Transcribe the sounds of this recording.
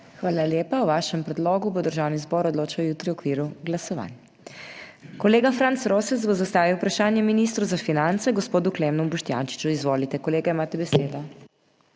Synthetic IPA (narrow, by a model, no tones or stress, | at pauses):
xʋaːlaljeːpawʋaʃɛmpɾɛd̪loːɡubod̪əɾʒaːwnizbɔːɾɔd̪loːt͡ʃawjuːt̪ɾiɔkʋiːɾuɡlasɔʋa̰n | kɔleːɡafɾant̪sɾoːsɛzbɔzast̪aːʋiwpɾaʃaːnjɛminist̪ɾuzafinant̪sɛɡɔspoːd̪uklemnubuʃt̪ja̰nt͡ʃi̥t͡ʃuizʋoːlit̪ɛkɔleːɡaimaːt̪ɛbɛseːd̪ɔ